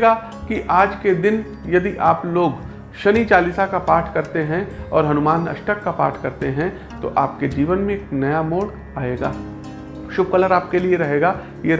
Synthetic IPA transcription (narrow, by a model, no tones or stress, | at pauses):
ɡa | kiʔaːd͡ʒked̪ɪn | jɐd̪iʔaːploːɡ | ʃɐnit͡ʃaːlisakapaːɾʈʰkɐɾt̪eɦɛ̃ɔ̰ːɾɦɐnʊmaːnɐ̰ʃʈəkːapa̰ːɾʈʰkɐɾt̪eɦɛ̃ | t̪o̰ʔaːp̚ked͡ʒiːʋənmẽeːknɐjamoːɽ | aːeːɡaː | ʃʊb̚kɐləɾaːp̚kelieɾɐɦeːɡaː | je